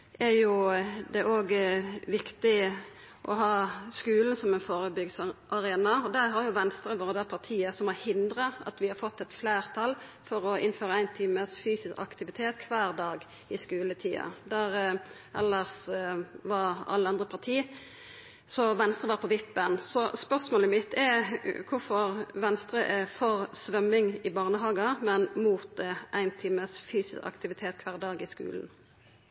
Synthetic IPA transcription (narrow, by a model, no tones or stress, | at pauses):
æɾjʊd̪ɛʔoːɡʋɪkt̪ɪ | ʔɔɦɑːskʉːln̩sɔmænfoːɾəbʏɡsʔɑɾeːnɑɔd̪ɛɦɑɾjʊʋɛnst̪ɾəʋoːɾəd̪æpʰɑʁt̪ʰiːəsɔmhɑɾhɪnd̪ɾəʔɑ̰t̪ʋɪhɑɾfɔt̪ːɛt̪fleːɾt̪ʰɑlfɔɾɔɪnføːɾəæɪnt̪ʰiːməsfyːsɪskɑ̰kt̪ɪʋɪt̪ʰeːt̪kʰʋæːɾd̪ɑːɡ | ɪskʉːlət̪ʰiːɑ̰d̪æɾ | ʔɛlːəs | ʋɑɑ̰lːəɑnd̪ʁəpʰɑʁt̪ʰiː | sɔʋɛnst̪ʁəʋɑʁpʰɔʋɪpbənsɔspœʁsmoːləmɪt̪ʰːɛkʰʊfɔɾʋɛnst̪ɾəʔɛfɔʁsʋœmːɪŋɪbɑːʁnəɦɑːɡɑmɛnmuːt̪̚ʔæɪnt̪ʰiːməsfyːsɪskɑ̰kt̪ɪʋɪt̪ʰeːt̪̚kʰʋæːʁd̪ɑːɡɪskʉ̰ːln̩